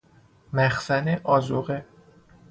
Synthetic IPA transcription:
mæxsæneʔɒːzoɣe

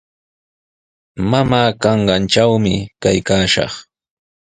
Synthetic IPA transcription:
mamaːkɑɴɢɑnt͡ʃawmɪkajkaːʃɑ̰χ

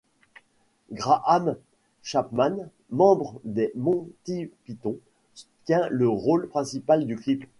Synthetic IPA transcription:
ɡʁaʔam | ʃapman | mɑ̃bʁəd̪emɔ̃t̪ipit̪ɔ̃ | sut̪jɛ̃ləʁolpχɛ̃sipald̪yklip

